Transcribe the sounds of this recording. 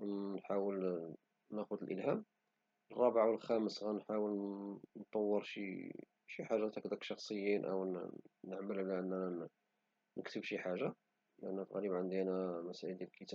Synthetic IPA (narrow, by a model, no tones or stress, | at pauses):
nħawəl | næxʊd̪əlʔəlɦæm | ərˤːɑbʕawəlxæməsɣænħawəlnt̪ˤːɑwːəɾˤʃḭ | ʃiħaʒːat̪ækd̪ækʃɑxsˤəjːinʔə̰wnəʕməlʕlæʔənːæ | nəkt̪əbʃiħaʒːa | lʔənːæt̪ɣæləbʕənd̪inæmæsæʕəld̪ælkət̪æ